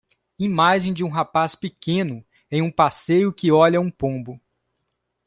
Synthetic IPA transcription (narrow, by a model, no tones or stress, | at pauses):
imaʒẽj̃d͡ʒɪũɦapaspɪkẽnʊ | ẽj̃ũpasejʊkɪɔʎɐũpõbʊ